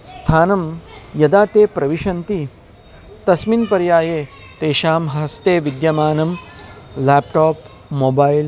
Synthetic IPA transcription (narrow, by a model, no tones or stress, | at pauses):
st̪ʰaːnɐmjɐd̪aːt̪eːpɾɐʋiʃɐnt̪i | t̪ɐsminpɐɾjaːjeː | t̪eːʃaːmɦɐst̪eːʋid̪jɐmaːnɐm | lɛːpʈoːp | moːbaːjl